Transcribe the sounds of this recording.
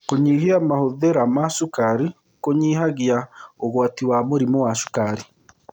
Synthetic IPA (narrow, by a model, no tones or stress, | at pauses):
koɲiɦiamahoðeɾamaʃukaɾi | koɲiːɦaɣiaoɣwaːtiwamuɾimowaʃu̥kaɾi